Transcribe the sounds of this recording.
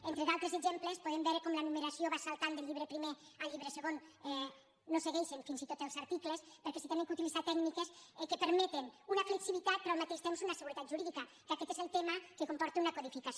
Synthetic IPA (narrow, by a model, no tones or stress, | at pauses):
ent̪ɾeðalˠt̪ɾezeɡzemplespoðembɛɾəkɔmlanumeɾasioβasalˠt̪and̪eʎːiβɾepɾimeaʎːiβɾeseɣonɛː | oseɣɛjʃeɱfinzit̪ot̪elˠzaɾt̪iklespəɾkɛsit̪ɛneŋkut̪ilizat̪ɛknikesɛkəpəeɾmɛt̪enunafləksiβ̞it̪at̪̚pɾɔamakeʃt̪emsunasəɣuɾet̪at̪ʒuɾiðika | kakɛt̪ezelˠt̪eməkekompɔɾt̪eunakoðifikas